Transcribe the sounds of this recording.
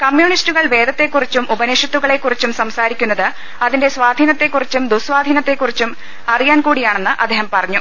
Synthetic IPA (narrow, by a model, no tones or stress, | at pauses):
kɐmjuːɳistuɣɐɭʋe̞ːd̪ʱɐt̪ːe̞kːurit͡ɕːumubɐneːʂjɐt̪ːuɣɐɭe̞kːurit͡ɕːumsɐmsaːɾikʲːunːɐðɨ | ɐðinde̞sʋaːd̪ʱiːnɐt̪ːe̞kːurit͡ɕːumd̪usʋaːd̪ʱiːnɐt̪ːe̞kːurit͡ɕːum | ɐrijaːnkuːɽijaːɳe̞nːɨʔɐ̰d̪ʱːeːɦɐmpɐrɐɲːu